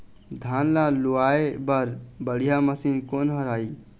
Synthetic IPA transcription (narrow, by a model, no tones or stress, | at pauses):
d̪ʱanlaluaebəɾbəɽ̤ijaməsinkonɦəɾai